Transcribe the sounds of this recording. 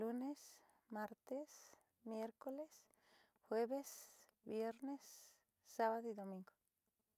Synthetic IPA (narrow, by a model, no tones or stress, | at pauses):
lunes | maɾt̪es | mjeɾkoles | xweβesbjeɾnesː | aβaðoiðomĩŋɡo